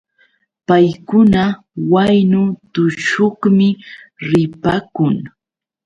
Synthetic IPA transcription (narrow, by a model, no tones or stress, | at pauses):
pajkʊna | wajnʊt̪ʊʃoχmɪɾɪpakʊŋ